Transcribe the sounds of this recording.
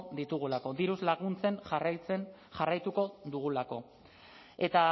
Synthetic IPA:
ðit̪uɣ̞ulako̞d̪iɾuzlaɣunt͡se̞nrt͡sen | ʝarajt̪uko̞ðuɣulako̞̰ | e̞t̪a

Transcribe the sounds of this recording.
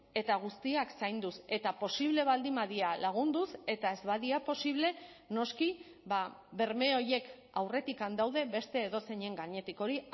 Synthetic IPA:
e̞t̪aɣ̞ust̪iaksajnd̪use̞t̪apo̞siβ̞le̞β̞ald̪imaðialaɣ̞und̪use̞t̪ae̞zβaðiapo̞siβ̞le̞ | no̞ski | baβe̞ɾme̞o̞je̞k | awre̞t̪ikand̪awðe̞βe̞st̪e̞ːðo̞se̞ɲe̞ŋɡaɲe̞t̪iko̞ɾi

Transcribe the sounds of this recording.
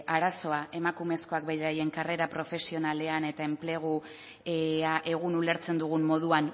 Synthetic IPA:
aɾaso̞aʔe̞makume̞sko̞akbejɾaje̞ŋkare̞ɾapɾo̞fe̞sio̞nale̞ane̞t̪ae̞mple̞ɣ̞u | aʔe̞ɣ̞unule̞ɾt͡se̞nd̪uɣ̞umːo̞ð̞uan

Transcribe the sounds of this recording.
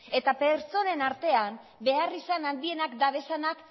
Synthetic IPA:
e̞t̪ape̞ɾt͡so̞ne̞naɾt̪e̞am | be̞arisanand̪ie̞nakd̪aβe̞sanak

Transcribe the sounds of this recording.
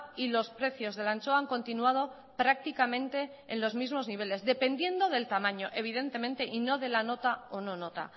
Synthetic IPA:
ilo̞spɾe̞θjo̞zðe̞lant͡ʃoaŋkõ̞nt̪inuað̞o̞ | pɾak̚t̪ikamẽ̞nt̪e̞ːnlo̞zmizmo̞zniβ̞e̞le̞zðe̞pe̞nd̪je̞nd̪o̞ð̞e̞lt̪amãɲo̞ʔe̞β̞ið̞e̞nt̪e̞mẽ̞nt̪e̞ʔino̞ð̞e̞lano̞t̪aono̞no̞t̪a̰

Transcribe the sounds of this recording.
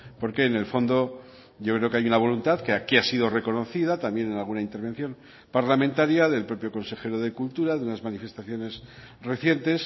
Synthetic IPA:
po̞ɾke̞ːne̞lfo̞nd̪o̞ | ʝo̞kɾe̞o̞keajunaβ̞o̞lunt̪aðkeakiasiðo̞re̞ko̞no̞θiðat̪ambje̞nenalɣunaint̪e̞ɾβ̞e̞n̟θjo̞m | paɾlamẽnt̪aɾjaðe̞lpɾo̞pjo̞ko̞nse̞xe̞ɾo̞ð̞e̞kult̪uɾaðeunazmanife̞st̪aθjo̞ne̞s | re̞θje̞nt̪e̞s

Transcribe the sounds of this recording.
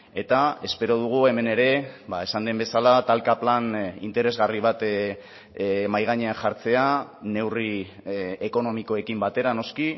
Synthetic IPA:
e̞t̪ae̞spe̞ɾo̞ð̞uɣ̞ue̞me̞ne̞ɾe̞bae̞sand̪e̞mbe̞salat̪alkaplanḭnt̪e̞ɾe̞zɣariβ̞at̪ | majɣ̞aɲeaʝaɾt͡se̞ane̞wri | eko̞no̞miko̞e̞kimbat̪e̞ɾano̞ski

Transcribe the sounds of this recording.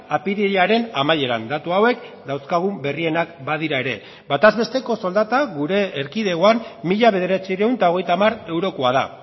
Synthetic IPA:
apiðiʎaɾe̞namaje̞ɾa̰nd̪at̪uawe̞k | d̪awskaɣ̞umbe̞rie̞nakbað̞iɾae̞ɾe̞ | bat̪azβe̞st̪e̞ko̞so̞ld̪at̪aɣuɾe̞ːɾkiðe̞ɣoamːiʎaβe̞ð̞e̞ɾat͡sirewnt̪ao̞ɣ̞e̞jt̪amaɾe̞wɾo̞koað̞a̰

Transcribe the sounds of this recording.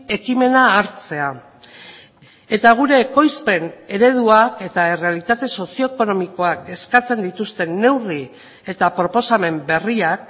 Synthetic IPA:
e̞kime̞naːɾt͡se̞a | e̞t̪aɣ̞uɾe̞ːko̞jspe̞ne̞ɾe̞ð̞uake̞t̪ae̞re̞alit̪at̪e̞so̞sio̞eko̞no̞miko̞ake̞skat͡se̞nd̪it̪ust̪e̞nːe̞wri | e̞t̪apɾo̞po̞same̞mbe̞riak

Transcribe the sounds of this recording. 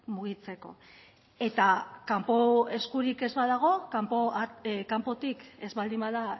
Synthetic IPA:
muɣ̞it͡se̞ko̞̰ | e̞t̪akampo̞e̞skuɾike̞zβaðaɣ̞o̞kampokampo̞t̪ike̞zβald̪imbaða

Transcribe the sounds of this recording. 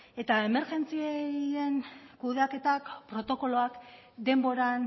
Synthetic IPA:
e̞t̪ae̞me̞ɾʝe̞nt͡sieie̞nkuðake̞t̪akpɾo̞t̪o̞ko̞lo̞ak | d̪e̞mbo̞ɾan

